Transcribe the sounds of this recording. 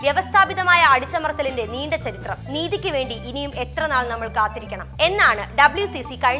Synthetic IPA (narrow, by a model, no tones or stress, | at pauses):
ʋjeʋɐst̪ʰaːbiðɐmaːjɐɐɽut͡ɕːɐmɐrɐt̪ːɐlinlde̞niːɳɖɐt͡ɕːɐɾit̪rɐniːðikʲːɨʋe̞ːɳɖiinijume̞t̪rɐnaːɭnɐmːɐɭkaːt̪ːiɾikʲːɐɳɐme̞nːaːɳɨɖɐbɨɭjusisikɐɻi